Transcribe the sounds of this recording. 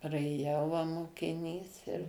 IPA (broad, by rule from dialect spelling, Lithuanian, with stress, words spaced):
prɐeːˈjɛʊ ʋɐ moːkʲɪˈnʲiːs ɪr